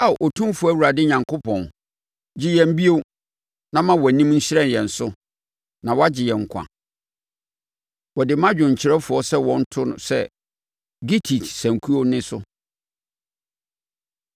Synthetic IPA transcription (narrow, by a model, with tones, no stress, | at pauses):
a˦˨ʔo˨tʰũ˦mfʊ˨˦æ˦wu˨ɾa˨dɪ˦ɲã˨ŋkʰo˦pʰɔ̃˨n | d͡ʑɪ˦jɛ̃˨m̩˦bi˦o˦w | nã˦mã˦wɔ˨nĩ˦mn̩˦ɕɪ˦ɾɛ˦˨njɛ̃˨n̩˨sʊ˦ | nã˨wɔ˦a˦d͡ʑɪ˨jɛ˨ŋ̩˨kʷʰã̰˨ | wɔ˨dɪ˨mã˦d͡ʑᶣʊ̃˨ɲ̩˨t͡ɕʰɪ˨ɾɛ˦fʊ˨ɔ˦sɛ˦wɔ̃˦n̩˦tʰʊ˦nʊ̰̃˨sɛ̰˦ | ɡi˦tʰi˨tsæ̃˨ŋkʰu˦o˦nɪ̃˦sʊ˦